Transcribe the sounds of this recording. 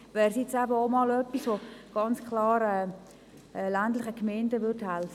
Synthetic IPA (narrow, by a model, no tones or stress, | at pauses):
ʋɛːɾsjɪt͡sæbəomɑlœpːisʋoɡ̥ɑnt͡skʰlɑːɾɛː | ɛlæntlɪχəkmɛɪndəʋʏrthælfə